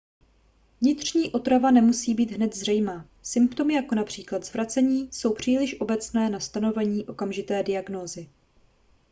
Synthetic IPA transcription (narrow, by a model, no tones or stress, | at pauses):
vɲɪt̪r̝̥ɲiːʔo̞t̪ɾavanɛmusiːbiːd̪ɦnɛt̪zrɛjmaː | sɪmpt̪o̞mɪjako̞napr̝̥iːklad̪zvɾat͡sɛɲiːso̞wpr̝̥iːlɪʃʔo̞bɛt͡snɛːnast̪ano̞vɛɲiːʔo̞kamʒɪt̪ɛːdɪaɡno̞ːzɪ